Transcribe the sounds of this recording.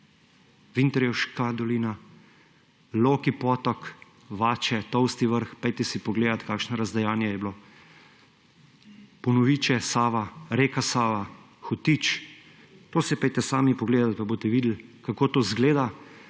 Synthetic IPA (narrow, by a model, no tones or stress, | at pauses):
ʋint̪ɛɾjɛwʃkad̪ɔliːna | loːkipɔːt̪ɔk | ʋaːt͡ʃɛt̪ɔwst̪iʋəɾxpɛjt̪ɛsipɔɡleːd̪at̪kaːkʃnɔɾazd̪ajaːnjajɛblo | pɔnɔʋiːt͡ʃɛsaːʋaɾeːkasaːʋa | xɔt̪iːt͡ʃ | t̪oːsɛpɛjt̪ɛsaːmipɔɡleːd̪at̪̚pabot̪ɛʋiːd̪l̩kakoːt̪oːzɡleːd̪a